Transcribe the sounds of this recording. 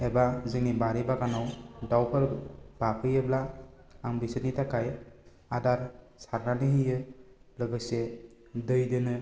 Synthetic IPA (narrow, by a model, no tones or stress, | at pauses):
ɛbazɯŋnibaɾibakanawdawpʰɯɾb̥apʰɯjɯbla | aŋbisɯnitʰakʰaj | adaɾ | saɾnanɯɦijɯlɯɡɯse | dɯjdɯnɯ